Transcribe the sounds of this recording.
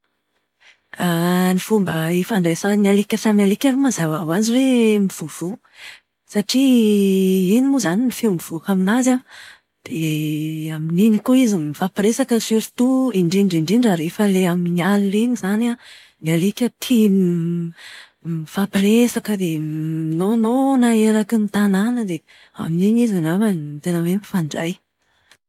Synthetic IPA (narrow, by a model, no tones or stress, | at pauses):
anifumbəefaɳɖ͡ʐesanialikʲəfamalikʲaɾumazavawaziwemiv̥uv̥u | saʈ͡ʂi | inimuzaninifemiv̥ukaminaza | d̪̥e | amininikoizimifapɾesakəfieɾt̪uiɳɖ͡ʐiɳɖ͡ʐiɳɖ͡ʐiɳɖ͡ʐaɾefəleamiɲialiliɲizana | nalekʲət̪ʰi | ifapiɾesakəd̪einononaeɾakinit̪ananəd̪e | a̰miniɲizanavat̪enəwemifaɳɖ͡ʐaj